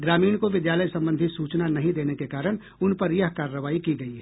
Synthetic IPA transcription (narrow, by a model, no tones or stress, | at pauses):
ɡɾaːmiːɽ̃koʋɪd̪jaːləjsɐ̃mbə̃nd̪ʱisuːt͡ʃnanɐɦĩd̪eːnekekaːɾəɽ̃ | ʊnpɐɾjɐɦkaːɾːəʋaːikiɡɐiɦɛː